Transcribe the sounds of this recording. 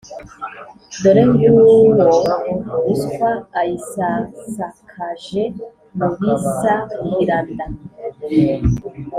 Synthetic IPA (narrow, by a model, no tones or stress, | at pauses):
d̪oɾemjuwoɾouskwaːjisasakʰaʒe | muɡisajiɾanda